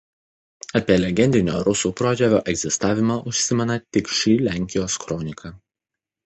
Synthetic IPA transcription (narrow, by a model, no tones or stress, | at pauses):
ɐpʲiɛlʲɛɡʲɛnʲd̪ʲɪnʲoːɾʊsuːpɾoːd͡ʒʲɛʋʲoːʔɛɡzʲɪst̪ɑːʋʲɪmɑʔʊʃʲsʲɪmʲɛnɐt̪ʲɪkʃʲiːlʲæːˑŋʲkʲɪjoːskɾɔnʲɪkʰɑ